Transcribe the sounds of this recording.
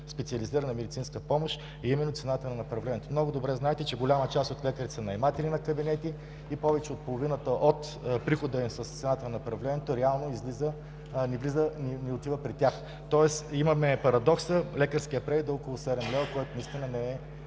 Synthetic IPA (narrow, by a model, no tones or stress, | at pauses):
spɛt̪siɐliziɾənɐmɛd̪it̪sinskəpɔmoʃ | ɐimɛnːot̪sɛnat̪ənɐnɐpɾɐvlɛniɛt̪omnɔɡʊd̪obɾɛznaɛt̪ɛt͡ʃɛɡolʲamət͡ʃast̪ot̪lɛkəɾisɐnɐjmat̪ɛlʲinɐkɐbinɛt̪i | ipɔvɛt͡ʃɛot̪̚polˠovinət̪əʔot̪ | pɾixod̪əisəst̪sɛnat̪ənɐnɐpɾɐvlɛniɛt̪oɾɛalˠnoizlizə | nivlizəninɛot̪ivəpɾit̪ʲjax | t̪ɔɛsimɐmɛpɐɾɐd̪ɔksəlɛkəɾskijəpɾɛɾid̪əɔkolˠosɛd̪ɛmlʲɛvkɔjt̪onist̪inənɛɛ